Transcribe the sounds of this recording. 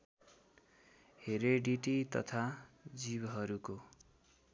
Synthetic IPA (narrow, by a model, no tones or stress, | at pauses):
heɾeɖiʈit̪ʌ̰t̪ʰad͡zibɦʌɾuko